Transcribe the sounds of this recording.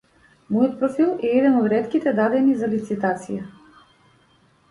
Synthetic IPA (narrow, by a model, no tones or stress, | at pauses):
mɔjɔt̪̚pɾɔfilˠɛɛd̪ɛnɔd̪ɾɛt̪kit̪ɛd̪ad̪ɛnizalit̪sit̪at̪sija